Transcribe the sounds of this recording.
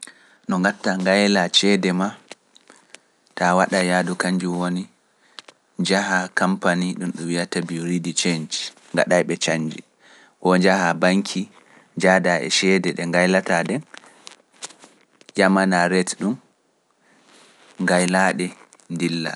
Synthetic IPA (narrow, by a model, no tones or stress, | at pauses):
nɔŋɡatːaŋɡajlat͡ʃɛdɛma | tawaɗajadukaɲd͡ʒuwoni | d͡ʒaɦakampaniɗumɗuwijatabiɾidit͡ʃend͡ʒ | ŋɡa̰ɗajɓɛt͡ʃaɲːd͡ʒḭ | kɔd͡ʒahabaŋkʰi | d͡ʒadaʔɛ̰ʃɛdɛɗɛŋɡajlatadɛn | jamanaɾɛtɗum | ŋɡajlaɗɛ | ndilːa̰